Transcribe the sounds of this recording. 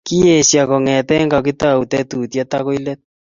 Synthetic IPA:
ki˦e˨sja˨kɔ˨ŋɛ˨tɛ˦ŋɡa˨ki˦ta˦˨u˨tɛ˦tu˨tja˦tako˦i˦lɛ˦t̚

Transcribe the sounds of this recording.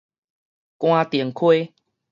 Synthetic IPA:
kw̃ã˦t̪i˨˩ŋkʰwe˦

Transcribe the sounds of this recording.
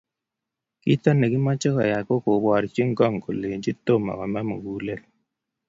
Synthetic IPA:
ki˦tɔ˦ne˨ki˦mɔ˦t͡ʃɔ˦kɔ˨ja˨ko˦ko˨bɔ˨ɾt͡ʃi˦ŋ˦ɡɔ˦˨ŋ˨ko˨le˨nd͡ʒi˦to˦˨ma̰˨kɔ˨ma˦mo̰˨ɡu˨˦le˦l

